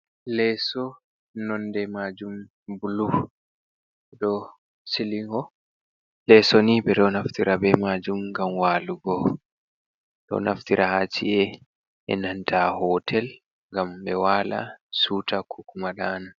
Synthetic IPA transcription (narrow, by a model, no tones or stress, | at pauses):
lɛsɔ | nɔndɛmad͡ʒum | bulu | ɗɔ | siliŋɡɔ | lɛsɔnibɛɗɔnaftiɾabɛmad͡ʒumŋɡamwaːluɡɔ | ɗɔ̰na̰ftiɾʔahat͡ʃḭʔɛ | ɛ̰nantʰahɔtʰɛl | ŋɡambɛwaːla̰suːtakʰukumaɗana